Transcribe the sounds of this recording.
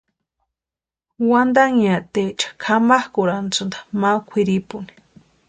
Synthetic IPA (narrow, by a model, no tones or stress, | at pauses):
wand̪aŋat̪et͡ʃḁkʰamahkʊɾant͡sund̪ḁmakʷʰiɾipuni̥